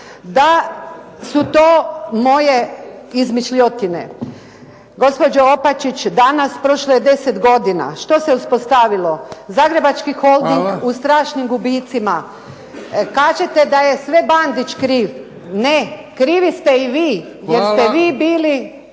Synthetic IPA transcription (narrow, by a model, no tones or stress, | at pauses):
d̪a | sut̪oːmo̞jeizmit͡ʃʎot̪ine̞̰ | ɡo̞spo̞d͡ʒoopat͡ʃit͡ʃd̪anaspɾo̞ʃlojed̪e̞set̪ɡo̞d̪ina̰ʃt̪o̞se̞uspost̪aʋilo̞zaːɡɾe̞bat͡ʃkixo̞lˠd̪iŋɡust̪ɾaːʃɲimɡubit̪sima | kaːʒet̪ed̪ajesʋe̞band̪it͡ʃkɾiːʋ | nekɾiːʋist̪e̞iʋiː | jeɾst̪eʋiːbiːli